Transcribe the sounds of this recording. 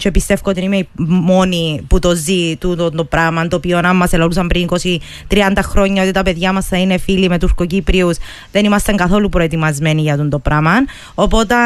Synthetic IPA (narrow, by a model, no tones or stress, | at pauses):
t͡ʃeepist̪e̞fkot̪enimeimo̞niput̪o̞zit̪uond̪opɾɐmɐnt̪oːpionɐmːɐse̞lolus̬ɐmpɾiniko̞si | t̪ɾiɐnd̪ɐxɾo̞ɲːɐo̞t̪it̪ɐpe̞ðʝɐmɐsθɐine̞filime̞t̪uskocipɾius | ðe̞nimɐst̪ɐŋkɐθo̞lupɾo̞e̞t̪imɐzmeniʝɐt̪und̪opɾɐmɐn | o̞po̞t̪e